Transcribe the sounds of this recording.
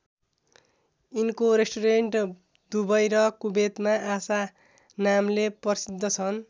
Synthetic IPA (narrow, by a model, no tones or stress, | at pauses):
inkoɾesʈoɾeɳʈ | d̪ubʌjɾʌkubet̪maasa | namlepʌsid̪ʱːʌt͡sʰʌn